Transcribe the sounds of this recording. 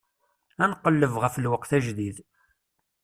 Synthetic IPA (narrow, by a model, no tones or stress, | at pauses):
ænqːəlːəvʁəfəlwəqθæʒðið